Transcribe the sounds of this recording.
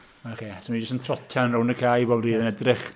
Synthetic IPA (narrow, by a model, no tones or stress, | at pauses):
akʰeːsɔmid͡ʒəstəntʰrɔtʰjanrʊwnəkʰaːjboɔːmriːðənɛdrɪχ